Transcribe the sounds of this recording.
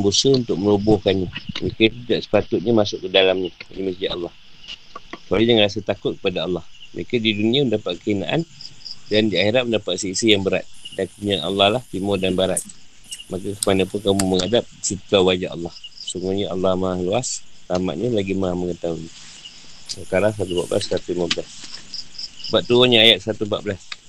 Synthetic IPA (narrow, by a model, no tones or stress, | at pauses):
mbusəunt̪ʊk̚məlubɔhkanɲəməɾekət̪idaʔsə̥pat̪ʊt̪̚ɲəmasʊkːədalamɲədiməsd͡ʒaʔɑlːɑh | t͡ʃualijaŋrasət̪akʊt̪̚kə̥padaɑlːɑhməɾekadidunĩaəndapat̪̚kəina̰ʔandandiaxiɾaʔ̚məndapat̪̚səisijaŋbəɾa̰t̪̚dankuɲianɑ̰lːɑhlaht̪imʊdanbaɾat̪̚ | makakəmanapʊnkamuməŋadap̚sit̪awad͡ʒaɑ̰lːɑhsəŋuɲaʔɑ̰lːɑhmaːhluastama̰ʔɲəlaɡimaməŋət̪aui | səkaɾaŋs̬at̪upa̰ʔbəlasat̪uimabəlas | baʔt̪uaɲaajat̪̚sat̪umpa̰ʔbəlas